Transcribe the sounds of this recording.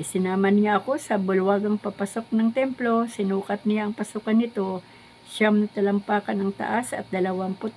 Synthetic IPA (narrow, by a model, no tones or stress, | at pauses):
ɪsɪnaːmɐnŋaʔɐko̞sɐbʊlwaɡɐŋpapɐso̞k̚nɐŋt̪ɛmplo̞sɪnuːkɐt̪̚nɪjaɐŋpɐsuːkɐnɪt̪o̞ | ʃamnɐt̪ɐlɐmpaːkɐnɐŋt̪ɐ̰ʔasɐt̪̚d̪ɐlɐwaŋpʊt̪